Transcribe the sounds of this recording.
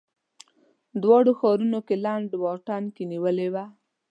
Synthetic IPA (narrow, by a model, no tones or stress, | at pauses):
d̪wɑɽoxɑɾunokelaɳɖwɑʈɑnkeniwəlewa